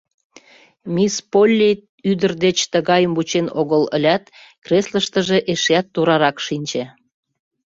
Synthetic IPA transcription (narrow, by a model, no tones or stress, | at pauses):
mispolʲːi | yd̪ərd̪et͡ɕt̪əɣɑjəmbut͡ɕenoɣələ̰lʲæt̪krʲesləʃt̪əʒe̽ʔeʃeæt̪ːuɾɑɾɑkʃinʲt͡ɕe